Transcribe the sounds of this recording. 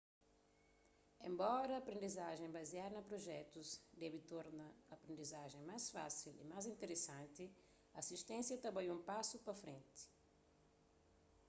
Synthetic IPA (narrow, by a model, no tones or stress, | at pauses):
ḛ̃mbɔɾɐːpɾẽnd̪izaʒẽj̃bɐziaɾnɐpɾoʒɛt̪uzd̪ɛbɪt̪oɾnɐɐːpɾẽnd̪izaʒẽj̃majsfa̰silḭmajzĩnt̪eɾesãnt̪i | ɐːsiʃt̪ẽsjɐt̪ɐbajũmpasupɐfɾẽnt̪i̥